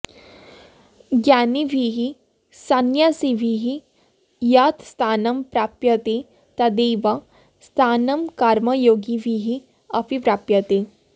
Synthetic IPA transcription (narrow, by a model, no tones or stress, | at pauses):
ɡjaːniʋʱiɦi | sɐnjasiʋʱiɦi | jat̪st̪ʰaːnɐmpɾaːpjɐt̪e | t̪ɐd̪eːʋa | st̪ʰaːnɐmkaːɾmɐjoːɡiʋʱiɦi | ɐpipɾaːpjɐt̪e